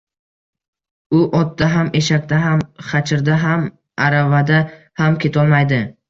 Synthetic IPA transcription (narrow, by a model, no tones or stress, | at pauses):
ʊʔɒt̪̚ːaɦame̞ʃak̚ʲt̪aɦamχɑt͡ʃʰɪɾd̪aɦam | aɾavad̪a | hamkʲʰe̞t̪ʰɒlˠmajd̪ɪ